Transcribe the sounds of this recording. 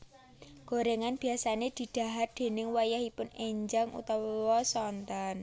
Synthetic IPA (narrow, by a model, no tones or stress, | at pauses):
ɡ̥o̤ɾeŋanb̥i̤asaned̪̥i̤d̪̥a̤ɦat̪̚d̪̥e̤nɪŋwajahipʊneɲd͡ʒaŋṵt̪ɔwwɔsɔnt̪ɔn